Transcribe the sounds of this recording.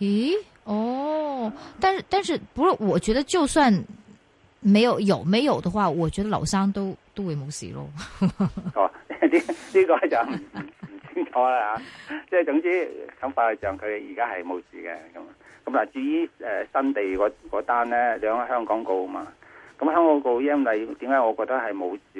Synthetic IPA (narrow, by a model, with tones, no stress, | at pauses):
i˧˥ | ɔ˥˩ | t̪a˥˧nʂɻ̩˥˧t̪a˥˧nʂɻ̩˥˩pu˧˥kɔ˥˩wɔ˨˩t͡ɕɥɛ˧˥d̪ə˧t͡ɕjo˥˧ʊswa˥˩n | me˧˥ɪjo˨˩ʊjo˨˩ʊme˧˥ɪjo˨˩ʊd̪ə˦xwa˥˩wɔ˨˩t͡ɕɥɛ˧˥d̪ə˧lɑ˨˩ʊsɑ˥ŋt̪o˥ʊt̪o˥ʊwe˧˥ɪmo˧˥ʊsḭ˨˩lo̰˥˩ | ɔː˨˧˩li˥liː˥kɔː˧t͡sɐ˨˩wm̩˨˩˨sʰɪ˨˥ŋt͡sʰɔː˨˧laː˧haː˨˧t͡sɛː˥˩t͡sʊ˨˥ŋt͡siː˥kʰɐ˨˥ŋfaː˧lɛ˨˩t͡ʃœː˨ŋkʰɵ˨˧te˨˧jiː˨˩kaː˥hɐ˨jmo˨˧wsḭː˨˩kɛ̰ː˧kɐ˨˧˦mkɐ˨˦mlaː˨˩t͡ʃyː˧jiː˥ɛː˨sɐ˥nt̪e˨jkɔː˨˥kɔː˨˥t̪aː˥nlɛː˥lœ˨˧˥ŋ˨˩hœː˥ŋkɔː˨˥ŋko˧wmaː˧kɐ˨˦mhœː˥˩ŋkɔː˨˧˥ŋko˧wjɐ˥nwɐ˨jt̪iː˨˥mkaː˨˥jŋɔː˨˧kɔː˧k̚t̪ːɐ˥hɐ˨jmo˨˧wsiː˨